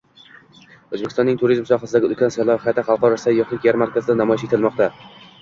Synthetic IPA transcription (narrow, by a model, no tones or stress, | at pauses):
ɵzbekʰʲɪst̪ɒnːɪŋt̪ʰʊɾizmsɒχasɪd̪aɡʲɪʊlkʲʰansalˠɒhajt̪ʰaχɑlˠqɒɾasajɒχlˠɪkʲjaɾmaɾkʲʰazɪd̪anamɒɪʃet̪ʰɪlmɒqt̪a